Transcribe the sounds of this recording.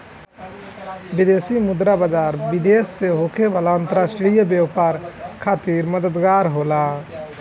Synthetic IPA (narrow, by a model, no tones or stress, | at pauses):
bid̪esimud̪ɾabad͡ʒaːɾbid̪esːeɦokebalaənt̪əɾasʈɾijəbjeʋpaɾkʰaːt̪iɾməd̪əd̪ɡaɾɦola